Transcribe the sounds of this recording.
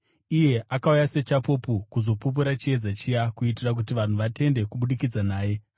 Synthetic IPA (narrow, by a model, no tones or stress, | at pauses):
ije̞ʔakaujase̞t͡ʃapopukuzo̞pup̬uɾat͡ʃie̞d͡zat͡ʃijakuitirak̬utiʋan̤uʋate̞nde̞kuɓuɗikid͡zanaːje̞